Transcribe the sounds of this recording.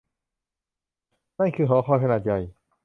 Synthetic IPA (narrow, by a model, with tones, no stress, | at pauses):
na˥˨˩kʰɯː˧˩ɦɔː˨˦xʰɔː˧˩jkʰa˧naː˨˩t̪̚ja˧˩j